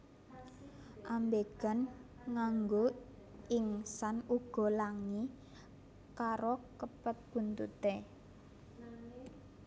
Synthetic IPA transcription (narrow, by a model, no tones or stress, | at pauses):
ʔambeɡ̥a̤n | ŋaŋɡo | ɪŋsanuɡ̥ɔ̤laŋi | kaɾokəpət̪̚b̥unt̪ut̪e